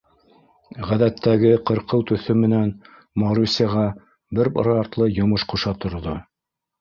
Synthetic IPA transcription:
ʁæðæt̪ʰːæɡɘqɤ̆ɾqɤwt̪ɵ̆θɵmɘ̆næn | mɑɾusʲiɑʁɑ | bɘɾb̰ɾɑɾt̪lˠɤjŏmɤʃquʃɑt̪ŏɾðo

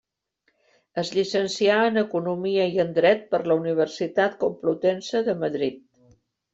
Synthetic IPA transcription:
əzʎisənsiaənəkunumiəiənd̪ɾɛt̪̚pəɾləuniβ̞ərsit̪at̪kumplut̪ɛnsəðəməðɾit̪̚

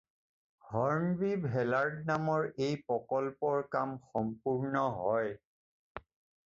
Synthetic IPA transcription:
hɔɹmbibʱɛlaɹdnamɔɹejpɹɔkɔlpɔɹkamxɔmpuɹnɔɦɔj

